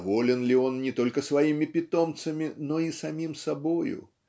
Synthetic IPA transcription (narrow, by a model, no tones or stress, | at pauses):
vɔlʲɪnlʲiɔnnʲɪt̪ɔlʲkəsvɐimʲɪpʲɪt̪ɔmt̪sɐmʲɪnɔisɐmʲimsabojʊ̰